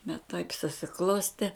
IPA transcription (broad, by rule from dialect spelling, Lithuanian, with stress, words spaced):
bʲɛt tɐɪp sʊsʲɪˈklˠoːsʲtʲeː